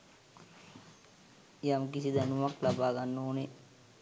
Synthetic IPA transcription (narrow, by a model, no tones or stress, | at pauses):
jamk̬isid̪ənuʋaklabaːɡanːoːne